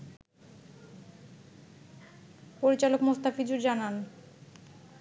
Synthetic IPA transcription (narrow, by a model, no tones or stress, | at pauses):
poɾit͡ɕalokmost̪afid͡ʑuɾd͡ʑanan